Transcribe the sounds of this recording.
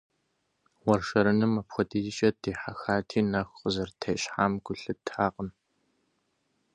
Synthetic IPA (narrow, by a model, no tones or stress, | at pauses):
wɔrʃɐɾɨnɨmːɐpxʷɔdiːzɪt͡ʃʼɐdeːħaxaːtʰiːnɐxʷqəzɐrtʰejɕħaːmɡ̥ʷʊɬɨtʰaːqən